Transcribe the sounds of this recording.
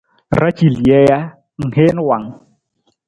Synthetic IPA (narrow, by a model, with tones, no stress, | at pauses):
ra˦t͡ʃʼi˨ljɛ˦ja˦ | ŋ̩˨ɦe˦n˦wa˨ŋ˨